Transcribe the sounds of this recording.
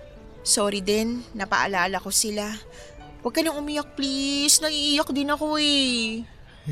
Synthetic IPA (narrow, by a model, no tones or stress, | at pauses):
soːɾid̪ɛnːɐpɐ̰ʔɐ̰laːlɐko̞sɪla | wɐɡ̚kɐnɐŋʊmɪjak̚plisnɐʔiʔiːjok̚d̪ɪnɐko̞ɛ